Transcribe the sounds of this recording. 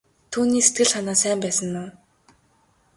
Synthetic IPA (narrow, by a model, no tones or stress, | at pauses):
t̪ʰuːniːset̪̚ɡɘ̆ɮχanaːsæːmpæːsə̆nːʊː